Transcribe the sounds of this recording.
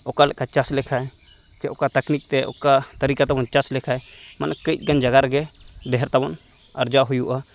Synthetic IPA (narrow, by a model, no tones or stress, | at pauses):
ɔkalɛ̰ʔkat͡ʃaslɛkʰaj | t͡ʃɛɔkat̪əknik̚t̪ɛʔɔ̰kat̪əɾikat̪abɔnt͡ʃaslɛkʰaj | ma̰nʔakəit̪̚ˀɡand͡ʒaɡaɾɡɛ | d̪ɛɦɛɾt̪abɔn | aɾd͡ʒaɦujuʔa